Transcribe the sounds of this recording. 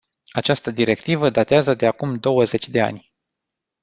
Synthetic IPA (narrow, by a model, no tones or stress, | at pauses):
at͡ʃast̪əd̪iɾe̞kt̪ivəd̪at̪eazəd̪e̞akumd̪o̞wəze̞t͡ʃʲd̪e̞a̰nʲ